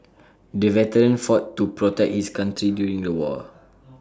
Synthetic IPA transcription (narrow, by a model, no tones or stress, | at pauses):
dəvɛtəɹə̃nfɔtːupɹɔtɛk̚hiskãntɹidjuɹĩŋdəwɔ̰